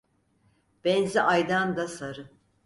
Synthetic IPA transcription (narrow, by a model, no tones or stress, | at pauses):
b̥ɛnziʔajd̪and̪asaɾɯ